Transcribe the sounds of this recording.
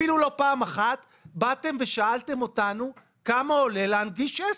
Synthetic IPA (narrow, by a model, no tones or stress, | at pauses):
ilulo̞paːmaχat̪ | bat̪e̞mve̞ʃaaltemo̞tanu | kamaoleleanɡiʃe